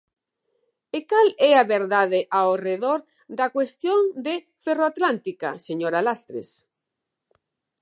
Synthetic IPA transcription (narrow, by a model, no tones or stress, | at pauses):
ekalɛaβeɾðaðɪʔaoreðoɾ | d̪ɐkwest̪jõŋd̪e | feroat̪lant̪ika̰seɲoɾalast̪ɾḛs